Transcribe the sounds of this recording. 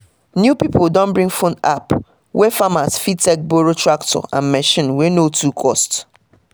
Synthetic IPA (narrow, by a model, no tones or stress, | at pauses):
njupipʰoldɔ̃nbɹĩŋfõna̰p | wɛfamasfitɛk̚boɹotɹaktʰɔ̰ʔã̰nmɛʃĩnwenotʰukʰɔst